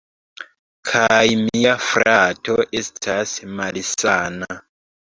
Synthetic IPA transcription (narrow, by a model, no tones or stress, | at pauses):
kʰajmiafɾato̞ʔe̞stʰasmalisaːna